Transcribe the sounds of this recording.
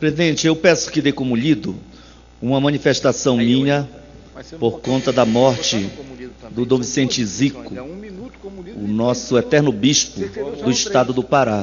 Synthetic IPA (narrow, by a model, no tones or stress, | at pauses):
pɾezid̪ẽnt͡ʃɪewpɛsʊ̥kɪd̪ejkõmʊʎid̪ʊ̰ | ũmɐmɐ̃nifeʃt̪asɐ̃w̃mĩɲɐ | poɾkõnt̪ɐd̪ɐmɔɾt͡ʃɪ | d̪ʊd̪ovisẽnt͡ʃɪzikʊ | ʊnɔsʊɛt̪ɛɾnʊbiʃpʊd̪ʊiʃt̪ad̪ʊd̪ʊpaɾa